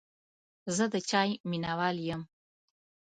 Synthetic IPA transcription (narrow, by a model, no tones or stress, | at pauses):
zəd̪ət͡ʃʰaːjminawaːljəm